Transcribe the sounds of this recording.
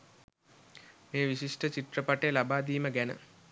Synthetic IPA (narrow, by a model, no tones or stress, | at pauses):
meːʋiɕiʂʈət͡ʃiʈ̪rəpɐʈelabaːd̪iːməɡænə̰